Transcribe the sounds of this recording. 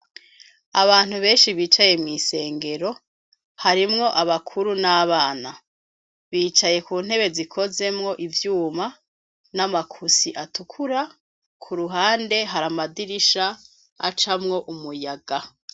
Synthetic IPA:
aβaːn̥huβe̞ːnʃiβiːt͡ʃaje̞mŋise̞ːŋɡe̞ɾo̞ | haɾimŋo̞ʔaβakʰuɾunaβaːna | βiːt͡ʃaje̞kuːn̥he̞βe̞zikʰo̞ze̞mŋo̞ʔivjuːma | namakʰusiʔatukʰuɾa | kʰuɾuɦaːnde̞ɦaɾamadiɾiʃa | a̰t͡ʃamŋo̞ʔumujaɡa

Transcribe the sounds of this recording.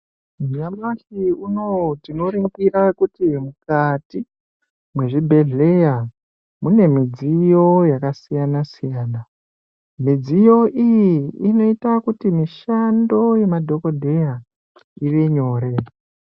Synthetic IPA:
muɲamaɬiunotino̞ɾiŋɡiɾakutimukati | mwe̞ʐibʱe̞ɮe̞ja | mune̞mid͡zijo̞jakasijanasijaːna | mid͡zijo̞ʔijiːno̞itakutimiʃando̞je̞madʱo̞ko̞dʱe̞ja | iʋeɲo̞ːɾe̞

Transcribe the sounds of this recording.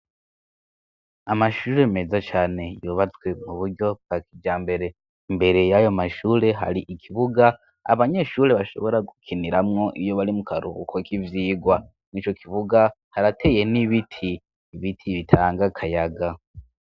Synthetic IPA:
amaʃuːɾe̞me̞zat͡ʃaːne̞juːβat͡swe̞muβuɾɟo̞b̚ɡ̥akʰid͡ʒaːmbe̞ɾe̞ | imbe̞ɾe̞jajo̞maʃuːɾe̞ɦa̰ɾiʔikʰiβuɡa | a̰βaɲe̞ʃuːɾe̞βaʃo̞̰βo̞ɾaɡukʰiniɾamŋo̞ʔijo̞βaɾimukʰaɾṵkʰokʰivjiːɡwa | iːt͡ʃo̞kʰiβuɡa | haɾatʰe̞je̞niβitʰiː | βitʰiβitʰaːŋɡakʰajaɡa

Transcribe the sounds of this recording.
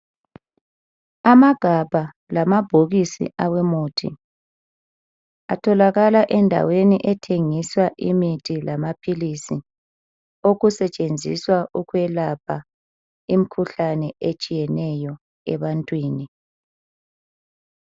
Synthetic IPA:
amaɡ̥ʱabʱa | lamab̥ʱoɣisḭʔawɛmuːtʰḭ | a̰tʰɔlaɣalaʔɛndʱa̰weniʔɛtʰeŋiswaʔimitʰʼilamapʰilisi | oɣusɛt͡ʃʼend͡zʱḭswaʔuɣwɛlapʰa | imikʰuɬanɛet͡ʃʼijɛnɛjɔ | ɛβantʼwiːni

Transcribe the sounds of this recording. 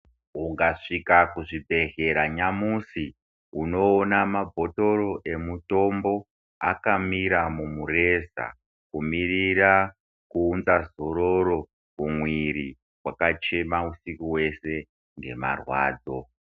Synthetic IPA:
uŋɡaʂikakuʐibʱe̞ɣe̞ɾaɲamusi | uno̞ːnamabʱo̞to̞ɾo̞ʔe̞muto̞mbo̞ | a̰kamiɾamumure̞za̰ | kumirira | kuːnzazo̞ɾo̞ɾo̞ | kumwiɾi | kwakat͡ʃe̞mausikuwe̞se̞ | ŋɡe̞̰ma̰rwa̰ːd͡zo̞

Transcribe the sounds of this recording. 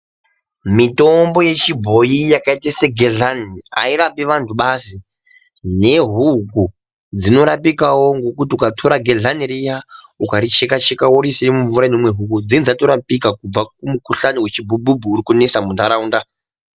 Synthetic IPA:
mito̞mbo̞je̞t͡ʃibʱo̞jijakaiteseɡʱeɮania̰iɾapiʋantʰuɓasi | ne̞ɦuku | d͡zino̞ɾapikawo̞ŋɡo̞kutiukatʰo̞ɾaɡʱeɮaniɾija | ukaɾit͡ʃekat͡ʃekawoɾisiimuɱvuɾanomwe̞ɦuk̬ud͡zind͡zato̞ɾapikakub͡vakumukuɬaniwe̞t͡ʃibʱubʱubʱuːɾikunesamundʱaɾauːnda

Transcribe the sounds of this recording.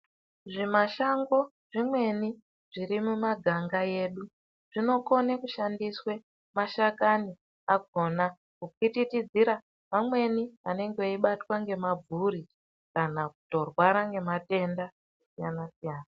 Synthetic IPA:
ʐimaʃaŋɡo̞ | ʐ̥imwe̞ni | ʐ̥iɾimumaɡʱaŋɡaje̞ːɗu | ʐ̥ino̞ko̞nekuʃandiswe̞ | maʃakani | aɡʱo̞na | kukititid͡ziɾa | mamwe̞niane̞ŋɡeoiɓatwaŋɡe̞mab͡vʱuɾi | kanakuto̞rwaɾaŋɡe̞mate̞nda | esijanasijaːna

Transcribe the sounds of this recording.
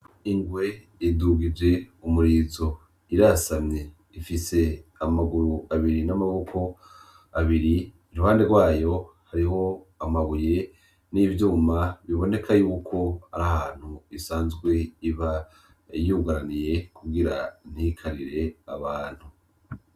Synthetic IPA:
iŋɡwe̞ | iduɡid͡ʒe̞umuɾiːzo̞ | iɾasamɲe̞ | ifise̞amaɡuɾuaβiɾinamaβo̞kʰo̞ | aβiɾiː | ɾuhaːndeɾɡwaːjo̞haɾiɦo̞ | amaβuje̞ | niːvjuːmaβiβo̞ne̞kʰajuːkʰo̞haɾahaːn̥huisaːnzɡwe̞iβa | juɡaɾanije̞kuɡiɾan̥hikʰaɾiɾe̞aβaːn̥hu

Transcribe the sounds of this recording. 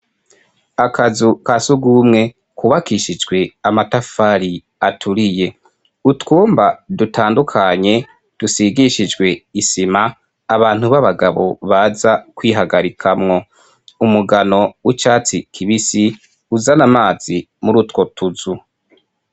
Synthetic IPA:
akʰazukasuɡumŋe̞ | kuβakiʃid͡ʒɡwe̞amatafaɾi | atʰuɾije̞ | utkuːmbadutʰaːndukʰaɲe̞ | d̥usiɡiʃid͡ʒɡwe̞isimaː | βaːn̥uβaβaɡaβo̞βazakwiːɦaɡaɾikʰamŋo̞ | umuɡano̞wit͡ʃaːt͡sikʰiβisi | uzanamaːz̥i | muɾutko̞tuzu

